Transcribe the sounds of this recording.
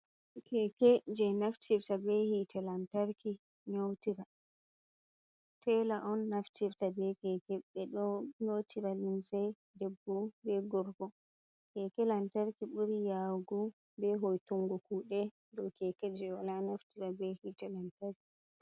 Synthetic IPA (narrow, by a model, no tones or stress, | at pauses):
kʰɛkɛd͡ʒɛnaftʰiɾtabɛhitɛlantaɾki | ɲowtiɾa | tɛlaʔɔnːaftiɾtabɛkɛkɛɓɛɗɔɲotʰiɾalunsɛj | dɛbːɔbɛɡɔɾɡɔ | kɛkɛlantaɾkiɓuɾijaɡu | bɛɦojtuŋɡɔkuɗɛ | dɔkɛkɛd͡ʒɛwalanaftiɾabɛhitɛlantaɾki